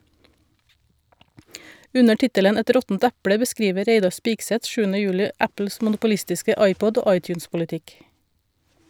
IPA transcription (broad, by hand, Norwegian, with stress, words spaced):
ˈʉnə ˈʈɪtələn ˈɛt ˈɾɔtn̩t ˈæpɽə bəˈskɾiːʋə ˈɾeɪdɑɾ ˈspɪɡsɛt ˈʃʉːn̩ə ˈjʉːlɪ ˈæpl̩s mʊnʊpʊˈlɪstɪskə ˈɑɪˌpɔɟ ˈoː ˈɑɪˌtʉːnspʊlɪˌtɪk